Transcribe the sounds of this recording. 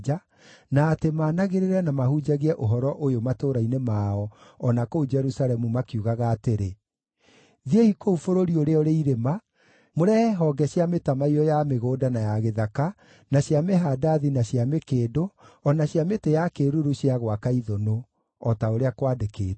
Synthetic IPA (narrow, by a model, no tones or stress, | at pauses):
a | naːtemaːnaɣeɾeɾɛnamahud͡ʒaɣeɛʔoɦɔɾɔʔojomatoːɾainemaːɔɔnakoud͡ʒɛɾusalɛmumakiuɣaɣaːteɾe | ðiehikoufoɾoɾioɾeɔɾeiɾema | moɾɛɦɔɡɛɕjametamaiɾɔjameɣoːdanajaɣeðaka | naɕjameɦadaðinaɕjamekeːdoɔnaɕjametejakeɾuɾuɕiaɣwakaiðɔno | ɔtaoɾeakwadekeː